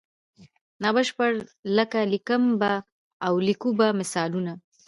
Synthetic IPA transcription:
nɑbaʃpəɾləkalikəmbaː | wlikubamɪsɑluna

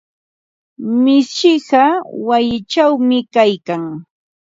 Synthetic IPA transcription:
mɪsʃɪɢɑwajɪt͡ʃawmɪkajkaŋ

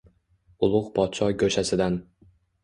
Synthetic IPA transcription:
ʊlˠʊqpʰɒt̪̚t͡ʃʰɒjkʲɵʃasɪd̪an

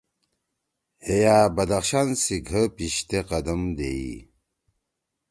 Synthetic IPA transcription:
ejabɐd̪axɕansiɡʱəpiɕt̪eqɐd̪əmd̪eḭ

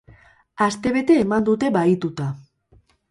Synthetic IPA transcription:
ast̪e̞βe̞t̪e̞ːmand̪ut̪e̞βait̪ut̪a

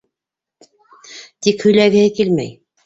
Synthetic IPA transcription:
t̪ikhɵ̆jlæɡɘ̆hɘkilmæ̰j

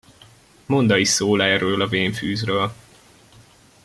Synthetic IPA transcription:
mond̪ɒisoːlɛrøːlɒveːɱfyːzrøːl

